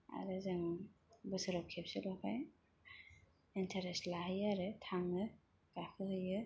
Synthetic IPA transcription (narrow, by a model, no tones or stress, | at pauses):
a̰ɾɯzɯŋbɯsɯɾɔkʰːep̚selɔkʰaj | intʰaɾestlahɯjaɾɯtʰaŋɯ | ɡ̥akʰɯhɯjɯ